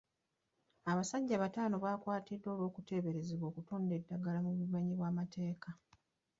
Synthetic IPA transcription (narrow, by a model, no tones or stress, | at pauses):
aβasaɟːaβataːno̞βaːkwaːtidːo̞ːlwo̞ːkute̞ːβe̞ɾe̞zeβwo̞ːkuto̞ːnde̞dːaɡalamuβumaɲiβwaːmatʰe̞ːka